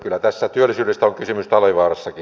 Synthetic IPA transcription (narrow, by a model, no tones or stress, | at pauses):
kylːˑæt̪æsːæt̪yølːisyːɾest̪æoŋkysymyst̪ɑliʋɑːrɑsːɑki